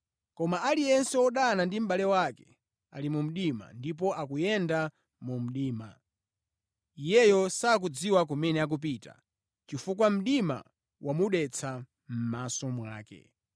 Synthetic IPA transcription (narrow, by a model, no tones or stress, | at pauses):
kɔmaalijɛnsɛɔɗanandim̩ɓalɛwakɛ | a̰limum̩ɗima̰ndip̬ɔʔakujɛnda | mum̩ɗiːma̰ | ijɛjɔsaːk̬ud͡ziwak̬umɛnɛak̬up̬iːta̰ | t͡ʃifuk̬wam̩ɗima̰ | wʔamuɗɛt͡sʰa | m̩masɔmwa̰ːkɛ̰